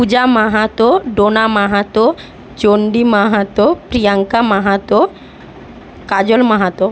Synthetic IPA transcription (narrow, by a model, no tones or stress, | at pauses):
pud͡ʑamaɦat̪oɖonamaɦat̪o | d͡ʑoɳɖimaɦat̪opɾijaŋkamaɦat̪o | kad͡ʑolmaɦat̪o